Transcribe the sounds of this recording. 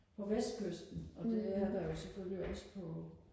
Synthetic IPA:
pʰɒ̽ʋesd̥̚kʰøsd̥n̩ɒ̽d̥e̝æɐd̥ɑ̈jo̝seføliɒ̽sə̥pʰɒ̽

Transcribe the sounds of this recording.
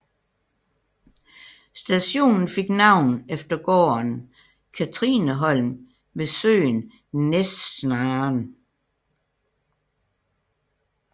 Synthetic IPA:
sd̥æɕo̝̰ːnn̩fe̝ɡ̥nɑ̈ʊ̰nefd̥ɐɡ̥ɒ̰ːn | kʰæt͡sʰʁḭnəɦɒ̽l̰m | ʋe̝sø̰ːn | nessnɑːn

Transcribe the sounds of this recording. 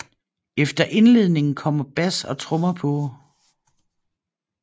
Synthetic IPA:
efd̥ɐʔe̝nle̝ð̞̰ˠne̝ŋn̩kʰɒ̽m̰ɐb̥æsɒ̽t͡sʰʁɔ̽mɐpʰɔ

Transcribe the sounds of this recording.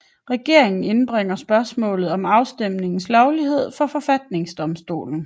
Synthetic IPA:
ʁɛɡ̥e̝ɐ̰e̝ŋn̩e̝nb̥ʁeŋ̰ɐsb̥ɶɐsmɔ̰̽ːlð̞̩ˠɒ̽mɑ̈ʊsd̥em̰ne̝ŋn̩slɒʊliɦe̝ð̞̰ˠfɒ̽fɒ̽fæd̥ne̝ŋsd̥ɒ̽msd̥o̝̰ːln̩

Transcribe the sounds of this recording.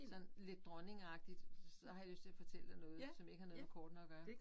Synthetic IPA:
sɒ̽n̩le̝d̥̚ːʁɒne̝ŋɑ̈ɡ̥̚d̥id̥sɒ̽hɑ̈jɑløsd̥t͡sʰe̝æfɒ̽t͡sʰel̰d̥ɑɪnɔ̽ːð̩ˠsɒmje̝ɡ̥əhɑ̈no̽ːkʰɒːd̥nɒ̽ɡ̥ɶɐ

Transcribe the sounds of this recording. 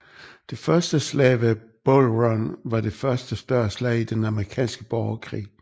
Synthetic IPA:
d̥e̝fɶɐsd̥əslɛ̰ɪʋe | b̥olʁɔnʋɑ̈d̥e̝fɶɐsd̥əsd̥ɶɐ̰ɐslɛ̰ɪid̥enɑməʁikʰɛ̰ːnsɡ̥əb̥ɒʊɐkʰʁḭː

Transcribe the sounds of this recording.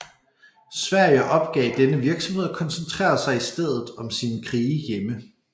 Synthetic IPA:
sʋæɐ̰jəʔɒ̽b̥̚ɡ̥ɛ̰ːɪd̥enəʋiɐɡ̥sɒmɦhe̝ð̰ˠɒ̽kʰɒ̽nsənt͡sʰʁɛ̰ːɐsɑ̈ɪisd̥eð̞̰ˠð̞̩ˠɒ̽msinkʰʁiːjemə

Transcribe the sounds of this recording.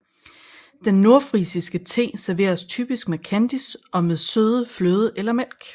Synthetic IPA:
d̥enːo̝ɐfʁisisɡ̥ət͡sʰe̝̰ːsæɐʋe̝̰ːɐst͡sʰy̰ːb̥isɡ̥meðˠkʰænd̥isɒ̽meðˠsøːð̞ˠəfløːð̞ˠəʔelɐmel̰ɡ̥

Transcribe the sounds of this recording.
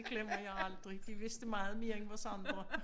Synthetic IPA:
ɡ̥lem̰ɐjɑ̈ɪɑ̈ld̥ʁid̥iʋe̝sd̥əmɑ̈ːð̞̩ˠme̝ːɐenʋɒsɑ̈ndʁɐ

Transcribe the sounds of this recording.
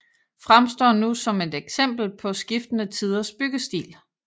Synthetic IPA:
fʁamsd̥ɒ̰ːnusɒ̽me̝d̥eɡ̥sem̰b̥l̩pʰɒ̽sɡ̥ifd̥ənət͡sʰið̞ˠɐsb̥yɡ̥əsd̥ḭːl

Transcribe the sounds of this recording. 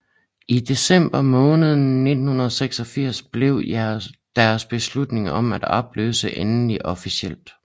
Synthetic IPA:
id̥e̝sem̰b̥ɐmɔ̽ːnəð̞̩ˠn̩ne̝d̥n̩hunɐðˠseɡ̥sɒ̽fiɐ̰sb̥le̝ʊd̥æɐsb̥e̝slud̥ne̝ŋɒ̽m̰æd̥ɒb̥lø̰ːsəʔenliʔɒ̽fisiel̰d̥

